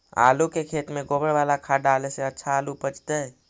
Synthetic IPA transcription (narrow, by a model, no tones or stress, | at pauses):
a̰lukekʰet̪meɡobəɾʋalakʰaɖaleseətːʃʰaːlupət͡ʃt̪əj